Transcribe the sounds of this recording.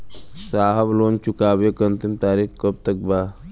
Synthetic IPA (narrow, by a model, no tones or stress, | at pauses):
saːɦɐbloːnt͡ʃukaːbekənt̪imt̪aːɾixkəb̚t̪ɐk̚baː